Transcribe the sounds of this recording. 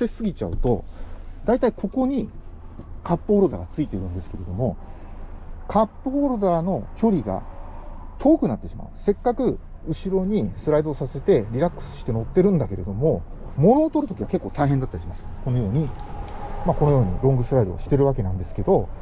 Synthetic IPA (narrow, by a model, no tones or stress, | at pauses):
sesɨɡʲit͡ɕaɯ̟̰t̪o̞d̪ait̪aikʰo̞ko̞ɲ̟i | kapːɯoɾod̪a̰ɡat͡sɨit̪e̞ɾɯ̟̃nd̪esɨ̥ke̞ɾe̞d̪omo̞ | kʰapːɯoːɾod̪aːno̞kʲo̞ɾʲiɡa̰ | t̪ʰo̞ːkɯ̟nat̪ːe̞ɕima̰ɯ̟se̞kːakɯ̟ | ɯ̟ɕiɾo̞ɲ̟isɨɾaid̪o̞ːsase̞t̪e̞ɾʲiɾakːɯ̥sɨ̥ɕi̥t̪e̞no̞t̪ːe̞ɾɯ̟̃nd̪ake̞ɾe̞d̪o̞mo̞mo̞no̞ːt̪o̞ɾɯ̟t̪o̞kʲiβake̞kːo̞ːt̪aiɦend̪at̪ːaɾiɕimasɨ̥ko̞nojo̞ːɲ̟i | mako̞nojo̞ːɲ̟ḭɾõŋɡɯ̟sɨɾaid̪o̞̰ːɕi̥t̪e̞ɾɯ̟βake̞nãnd̪e̞sɨ̥ke̞d̪o̞